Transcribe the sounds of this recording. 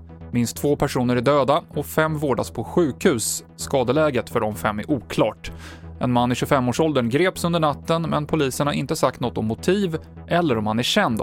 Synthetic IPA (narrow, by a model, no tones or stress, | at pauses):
mɪnst̪ʰːvoːpʰæʂuːnəɾæɖøːd̪aɔfɛmːvoːɖaspʰɔɧʉ̟ːkhʉ̟ːsː | kɑːd̪əlɛːɡət̪fœɖɔmfɛmːæɾʔuːkʰlɑ̰ːʈʔɛ̰nmanːɪɕɵfɛmːoːʂɔld̪əɳɡɾeːpsɵnd̪əɳat̪ːənmɛnpʰʊliːsəɳaʔɪ̰nt̪əsak̚t̪nɔt̪ːɔmːʊt̪ʰiːv | ʔɛlːəɾɔmhanæɕɛnd̪